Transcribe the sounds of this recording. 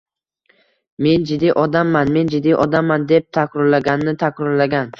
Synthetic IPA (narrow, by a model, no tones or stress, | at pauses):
me̞nd͡ʒɪd̪ːiʔɒd̪amːanme̞nd͡ʒɪd̪ːijʔɒd̪amːand̪e̞p̚t̪ʰakʲʰɾʊɾlaɡʲanːɪt̪ʰakʰʲɾɒɾlaɡʲan